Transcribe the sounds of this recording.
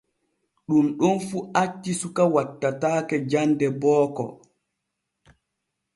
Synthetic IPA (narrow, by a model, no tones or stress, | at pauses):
ɗumɗɔnfuat͡ʃːisukawatːataːkɛd͡ʒandɛbɔːkɔ̰